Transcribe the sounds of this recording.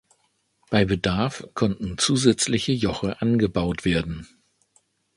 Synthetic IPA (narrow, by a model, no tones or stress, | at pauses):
b̥aɪbədaɐfkʰɔntn̩t͡suːzɛt͡slɪçəjɔχəʔanɡəbaʊtv̥eːɐdn̩